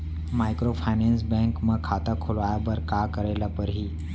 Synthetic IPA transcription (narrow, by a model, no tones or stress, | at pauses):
majkɾofʰajnɛns̬bɛ̃ŋkmə̃kʰat̪əkʰulʋajabəɾkakəɾelapəɾɦiː